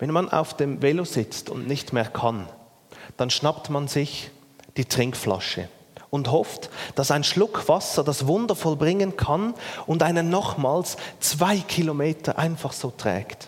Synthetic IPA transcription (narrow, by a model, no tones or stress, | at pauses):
vɛnmanʔa̰ʊfd̥eːmveloz̥ɪt͡stʊ̰ndnɪçtmeːɐkʰan | d̥anʃnaptmanzɪç | d̥iːtʁ̥ɪŋkfla̰ʃə̰ | ʊnthɔftd̥asaɪnʃlʊkʰv̥asəd̥asvʊndəfɔlbʁɪŋənkʰanʊndaɪnənɔχmaːlst͡sv̥aɪkʰilomeːtʰɐʔaɪnfɑχz̥oːtʁ̥ɛ̰ːkt